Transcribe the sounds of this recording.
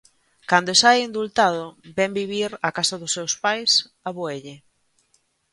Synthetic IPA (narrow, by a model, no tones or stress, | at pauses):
kand̪oesajind̪ult̪aðʊbɛmbiβiɾakasɐðʊsewspajs | aβoeʎɪ